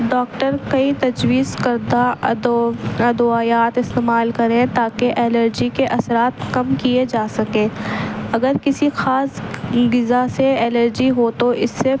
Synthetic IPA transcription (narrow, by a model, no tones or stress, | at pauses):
ɖɔːkʈəɾkɐit̪ɐd͡ʒwiːzkɐɾd̪a | ɐd̪uaːjaːt̪ɪst̪eːmaːlkɐɾẽt̪aːkeʔɛːləɾd͡ʒikeʔɐsɾaːt̪kɐmkied͡ʒaːsɐkẽːɐɡəɾkɪsixaːsɡɪzaseɛːləɾd͡ʒiɦoːt̪oʔɪsːe